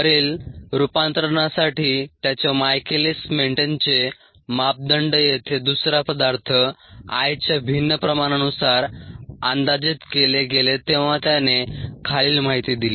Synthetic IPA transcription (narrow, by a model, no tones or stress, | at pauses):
əɾiːlɾupant̪ɾəəɳ̃asaʈiːt̪jat͡ɕɔmajkelesmeɳʈent͡se | map̚d̪əɳɖjet̪ʰed̪usɾapəd̪aɾt̪ʰəa̰jt͡ɕjabʱinːəpɾəmanənusaɾand̪ad͡ʑit̪keleɡelet̪eʋ̤at̪janekʰaliːlmaɦit̪id̪ile